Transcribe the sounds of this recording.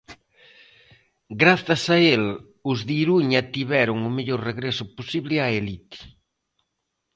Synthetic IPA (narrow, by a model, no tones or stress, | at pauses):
ɡɾaθɐsael | ʊzðiɾuɲat̪iβɛɾʊŋʊmeʎoɾreɣɾesʊposiβlɪaelit̪